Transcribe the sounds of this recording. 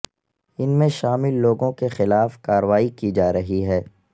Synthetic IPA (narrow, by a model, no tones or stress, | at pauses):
ɪnmẽʃaːmɪlːoːɡõkexɪlaːfkaːɾəʋaːikid͡ʒaːɾɐɦiɦɛː